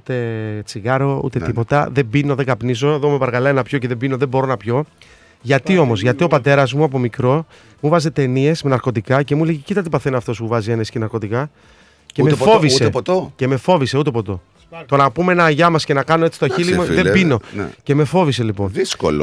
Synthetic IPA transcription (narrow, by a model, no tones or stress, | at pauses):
ut̪e̞t͡siɣɐɾo̞ṵt̪et̪ipo̞t̪ɐðebino̞ðeɡɐpnis̬o̞eðomepɐɾɣɐlɐenɐpçoceðe̞bino̞ðeboɾo̞nɐpço̞ | ʝɐt̪io̞mo̞zʝɐt̪io̞pɐt̪e̞ɾɐzmuɐp̬o̞mikɾo̞ | muvɐzet̪e̞nie̞smenɐɾko̞t̪ikɐce̞muleʝecit̪ɐt̪̬ipɐθenɐːft̪o̞smuvɐzienescinɐɾko̞t̪ikɐ | cemefovissept̪ce̞me̞fo̞vise̞ut̪e̞po̞t̪o̞ | t̪o̞nɐpumenɐʝɐmɐsce̞nɐkɐno̞e̞t͡si̥st̪oçilimuðebino̞̰ce̞me̞fo̞vise̞lipo̞nðisko̰l